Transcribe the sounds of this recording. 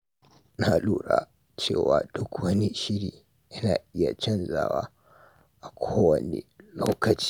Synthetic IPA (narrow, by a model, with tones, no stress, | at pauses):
na˨luː˦˨ɽa̰˨˦ | t͡ʃeː˦˨waː˨dʊ˦kwɐ˦ni˦ʃɪ˦ɽiː˨ | ʔɪ˦naː˨ʔɪ˦ja˨t͡ʃɐ˦nza̰ː˨waː˦ | ʔa˨kʷʰoː˦wɐ˨nḭ˨loː˦kɐ˨t͡ʃi̥˦